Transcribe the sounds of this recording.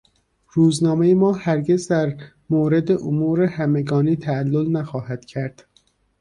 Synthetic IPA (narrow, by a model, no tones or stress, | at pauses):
ɾuːznɒːmejemɒːhæɾɟe̞zd̪æɾ | moːɾe̞d̪eʔomuːɾehæmeɡɒːniːt̪ʰæːlːolnæxɒːhæd̪̥cʰæɾd̪̥